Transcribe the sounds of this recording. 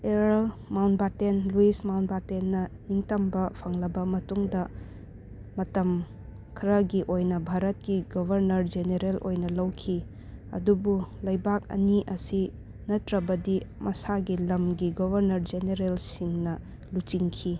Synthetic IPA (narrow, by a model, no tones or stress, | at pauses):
eɾalmawnbatenluismawnbatenːɐniŋtɐmbɐpʰɐŋlɐbɐmɐtuŋdɐ | mɐtɐm | kʰɾɐɡiʔojnɐbʱaɾɐt̚kiɡobʱɐɾnɐɾd͡ʒeneɾelʔo̰jnɐlɐwkʰi | ɐ̰dubulɐjbak̚ɐ̰niʔɐsi | nɐtɾɐbɐdimʔɐsaɡilɐmɡiɡobʱɐɾnɐɾd͡ʒeneɾelsiŋnɐ | lut͡ʃiŋkʰi